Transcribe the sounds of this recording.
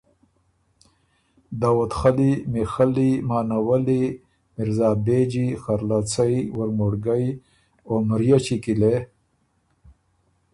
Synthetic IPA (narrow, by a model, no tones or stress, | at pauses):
d̪awat̪xalimixalimaːnawali | miɾzaːbed͡ʒixaɾlat͡sajwəɾmoɽɡaj | omɾjat͡ʃikile